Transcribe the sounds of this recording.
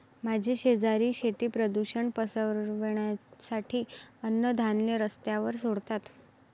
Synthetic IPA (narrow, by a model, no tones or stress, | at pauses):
mad͡ʑʱiɕed͡zaɾiːɕet̪iːpɾəd̪uɕəɳpəsəɾʋeɳjasaʈʰiːənːəd̪ʱanljeɾəst̪jaʋəɾsoɽt̪at̪